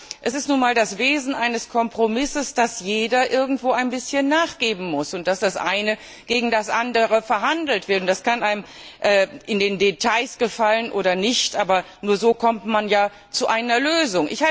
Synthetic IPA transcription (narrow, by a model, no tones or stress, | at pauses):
ʔɛsɪstnuːnmaːldasveːzn̩ʔaɪnəskʰɔmpʁ̥omɪsəsd̥asjeːdɐʔɪɐɡŋ̩tv̥oːaɪnbɪsçənːaːχɡ̥eːbm̩mʊsʊnt̚d̥asd̥asʔaɪnə | ɡ̥eːɡŋ̩dasʔandəʁəfɛɐɦandl̩tv̥ɪɐtʊnt̚d̥askanaɪm | ʔɛːʔɪndeːndetʰaɪsɡ̥əfalənʔo̰ːɾɐnɪçtʔaːbɐ | nuːɐzoːkʰɔmtmanjaː | t͡suʔaɪnɐløːzʊŋʔɪ̰çha